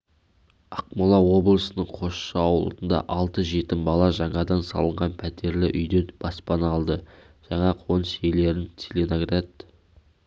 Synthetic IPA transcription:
ɑq̚molˠɑwo̞blˠəsənəɴqʰo̞ʃʃɑɑwlˠd̪ənd̪ɑ̰ʔɑlˠt̪əʒe̞t̪ɪmbɑlˠɑʒɑɴɑd̪ɑnsɑ̰lˠəɴʁɑnpʰæt̪e̞ɾlɪʔʏjd̪enb̥ɑspɑnɑlˠd̪ə | ʒ̥ɑɴɑqʰo̞nəsele̞ɾɪnsʲelʲenoɡrad̪

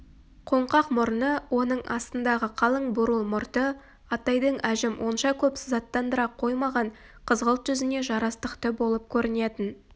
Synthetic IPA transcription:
qʰo̞ɴqɑqmʊɾənəwʔo̞nəɴʔɑ̰st̪ənd̪ɑʁəqʰɑlˠəɴbʊɾəlˠmʊɾt̪ə | ɑt̪ɑjd̪əɴæʒɪmwʔo̞nʃɑkʲʰɵpsɪzɑt̪ːɑnd̪əɾɑqʰːo̞jmɑʁɑɴ | qʰəzʁəlˠt̪ʒ̥ʏzɪne̞ʒɑɾɑst̪əqt̪əbo̞lˠəp̚kʲʰɵɾɪne̞t̪ɪn

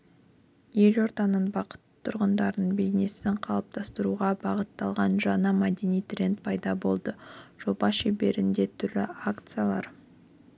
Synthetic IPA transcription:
je̞lʲo̞ɾt̪ɑnəɴbɑqə̥t̪ʰːʊɾʁənd̪ɑɾnəbe̞jne̞sɪɴqʰɑlˠəp̚t̪ʰɑst̪əɾuʁɑbɑʁət̪ːɑlˠʁɑnʒɑnəmad̪e̞nijt̪rʲe̞nt̪pʰɑjd̪ɑbo̞lˠd̪əʒ̥o̞bɑʃebe̞ɾɪnd̪e̞t̪ʰʏɾlɪakt̪sɨjalˠɑ̰ɾ

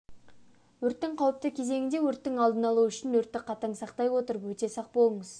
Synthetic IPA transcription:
wɵɾt̪ːɪŋqʰɑwəp̚t̪əkʲʰe̞ze̞ŋʲɪnd̪e̞wɵɾt̪ːɪŋɑlˠd̪ənɑlˠuʏʃɪnwɵɾt̪ːɪqʰɑt̪ɑɴsɑqt̪ɑjwo̞t̪əɾəpwɵt̪e̞sɑq̚bo̞lˠəɴəz̥

